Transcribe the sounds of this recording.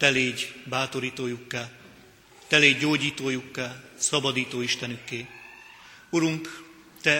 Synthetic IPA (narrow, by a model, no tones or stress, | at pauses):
t̪ɛleːɟbaːt̪o̞ɾiːt̪oːjukːaː | t̪ɛleːɟːoːɟiːt̪oːjukːaːlsɒbɒd̪iːt̪oːiʃt̪ɛnykːeː | uɾuŋk | t̪ɛ